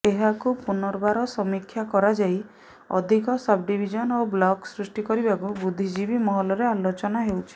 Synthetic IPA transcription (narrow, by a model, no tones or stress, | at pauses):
eɦakupunɔɾbaɾɔsɔmikʰːjakɔɾad͡ʒaj | ɔ̰d̪ʱikɔsab̚ɖibʱid͡ʒɔnoblɔksɾusʈikɔɾibakubud̪ʱːid͡ʒibimɔɦɔlɔɾealot͡ʃɔnaɦewt͡ʃʰi̥